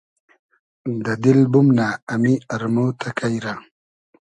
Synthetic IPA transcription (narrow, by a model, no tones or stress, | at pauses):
d̪ad̪ilbumnaamiaɾmot̪ʰakajɾa